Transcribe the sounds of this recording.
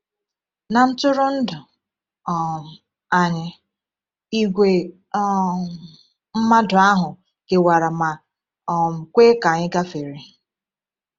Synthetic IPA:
na˨n̩˦tʊ˦ɾʊ˦n̩˦dʊ˨ | a˨ɲɪ˦ | i˦ɡʷe˨˦ | m̩˦ma˦dʊ˨a˦ɦʊ˨ | ɡ̥e˨wa˨ɾa˨ma˨ | m̩˨kʷeː˦ka˨ɲɪ˦ɡa˦fe˨ɾi˨

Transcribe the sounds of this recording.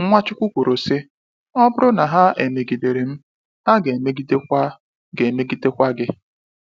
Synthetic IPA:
ŋ̩˦ŋʷa˦t͡ʃʊ˦kʷu˦kʷu˨ɾo˨sɪ˦ | ɔ˦bʊ˦ɾʊ˦na˨ɦa˦ʔe˨me˨ɡi˨de˨ɾe˨m̩˦ | ha˦ɡe˨me˦ɡi˦te˦kʷa˦ | ɡe˨me˦ɡi˦te˦kʷa˦ɡɪ˦

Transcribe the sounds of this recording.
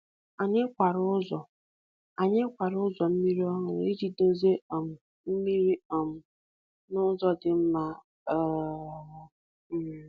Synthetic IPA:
a˨ɲɪ˦kʷa˨ɾʊ˦zɔ˨ | a˨ɲɪ˦kʷa˨ɾzɔ˨m̩˦mi˦ɾi˦ɔ˦ŋʊ˨ɾi˦d͡ʒi˦do˦ze˦ɔ˨m̩˨ | m̩˦mi˦ɾi˦ɔ˨m̩˨ | nʊ˦zɔ˦dɪ˨m̩˦ma˦˨ | m̩˦˨

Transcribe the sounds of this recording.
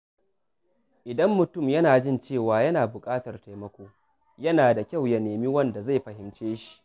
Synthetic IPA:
ʔɪ˨dɐ˦mːʊ˨tʊ˦˨mjɐ˦naː˨d͡ʒɪ˦˨nt͡ʃeː˦˨waː˨jɐ˦naː˨bʊ˨kʼaː˦tɐ˨rta˨jmɐ˦kʷoː˦ | jɐ˦naː˨da˨kʲa˦˨wjɐ˨neː˨miː˦wɐ˦˨nda˨za˦˨jɸɐ˨hɪ˨mt͡ʃeː˦ʃi̥˦ʔ

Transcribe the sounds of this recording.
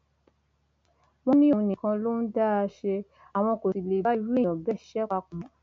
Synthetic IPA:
wɔ̃˦nĩ˦õ˦˧nĩ˨kã˧lo˦n̩˦da˦a˧ʃe˧ | a˨w̃ɔ̃˧ko˨ti˨le˨ba˦i˧wi˦˨ɔ̃˨bɛ˦ʃɛ˦k͡pa˧kũ˨mɔ̃˨

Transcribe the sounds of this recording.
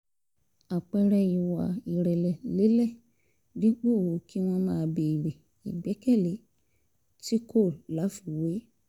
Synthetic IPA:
a˨k͡pɛ˧ɾɛ˧ji˨wa˨i˨ɾɛ˨lɛ˨le˨˦lɛ˦˨ | di˦k͡po˦˨o˨˦ki˦w̃ɔ̃˧mãː˦˨˧be˨i˨ɾe˨ | i˨ɡ͡bɛ˨˦kɛ˦˨le˨˦ | ti˦ko˦˨lla˨˦fi˦˨we˨˦

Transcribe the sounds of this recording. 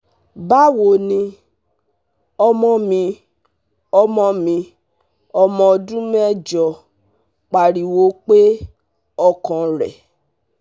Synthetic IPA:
ba˦wo˧˨nĩ˧ | ɔ˧mɔ̃˧mĩ˧ | ɔ˧mɔ̃˧mĩ˧ | ɔ˧mɔ̃˧ɔ˧dũ˦m˦ɛ˦˨d͡ʒɔ˨ | k͡pa˨ɾi˨wo˨˦k͡pe˦ | ɔ˧kɔ̃˧ɾɛ̰˨

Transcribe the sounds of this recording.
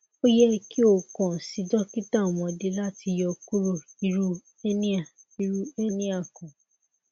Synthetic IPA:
o˦jɛ˦ki˦o˦˨kɔ̃˨si˨˦dɔ˦ki˦ta˦˨w̃ɔ̃˧de˦la˦ti˧jɔ˧ku˦ɾo˦˨i˧ɾu˦ | e˦nĩ˦a˦˨ | i˧ɾu˦e˦nĩ˦a˦˨kɔ̃˨

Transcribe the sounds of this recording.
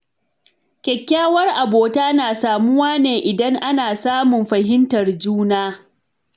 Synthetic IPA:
kʲɛ˨kʲːaː˦wɐ˦rʔa˨boː˨taː˦naː˨saː˨mʊ˦waː˦neː˨ʔɪ˨dɐ˦ŋʔa˦naː˨saː˦mʊ˨mɸɐ˨ɦɪ˦ntɐ˨rd͡ʒuː˦naː˦

